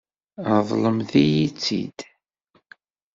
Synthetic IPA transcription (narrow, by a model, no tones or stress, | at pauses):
əðˤləmθijit͡sːḭd̪̥